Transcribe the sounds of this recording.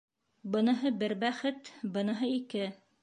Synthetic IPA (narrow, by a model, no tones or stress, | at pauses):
bɤ̆nɤ̆ɦɤbɘɾbæχɘt̪bɤ̆nɤ̆ɦɤikɘ